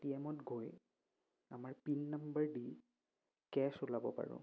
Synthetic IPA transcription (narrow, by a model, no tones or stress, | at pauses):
tiɛmɔtɡʱoj | amaɹpinːambəɹdi | kɛsulabɔpa̰ɹʊ̰̃